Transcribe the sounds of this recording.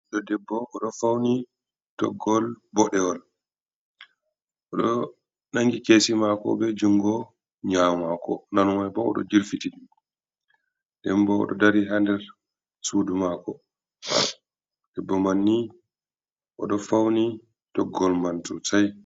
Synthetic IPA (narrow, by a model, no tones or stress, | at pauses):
ɗɔdɛbːɔʔːɗɔfawni | d̥ɔ̰ɡːɔlbɔɗɛwɔl | ʔɔɗɔ | naŋɡikeːsimakɔ̰bɛd͡ʒuŋɡɔ | ɲamakɔ̰nanwajbɔɔ̰ɗɔ̰d͡ʒiɾfiti | dɛmbɔɔ̰ɗɔdaɾiɦandɛɾ | sudumakɔ | d̥ɛbːɔmanːi | ʔɔɗɔfawni | tɔɡːɔlmantusaj